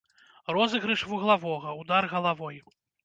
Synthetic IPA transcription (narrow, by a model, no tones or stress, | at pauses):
rɔzɨɣɾɨʂvuɣlˠavɔɣɐwd̪arɣɐlˠavɔj